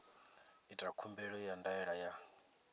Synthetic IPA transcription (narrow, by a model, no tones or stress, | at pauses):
itʼakʰumbɛɺɔjandaɛɺaja